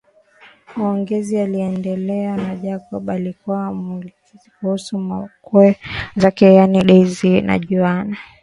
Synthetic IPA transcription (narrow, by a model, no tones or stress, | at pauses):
maɔŋɡɛzialiɛndɛlɛanaʄakɔɓalikuwamu | zikuhusumakuɛzakɛjaniɗɛzina̰ʄuana